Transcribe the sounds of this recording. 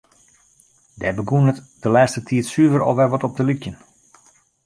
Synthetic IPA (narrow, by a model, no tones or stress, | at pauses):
dɛbəɡuənət | dəlɛːstətʰiətsyəvəɾɔ̰fʋɛlˠʋɔtɔp̚dəlykjən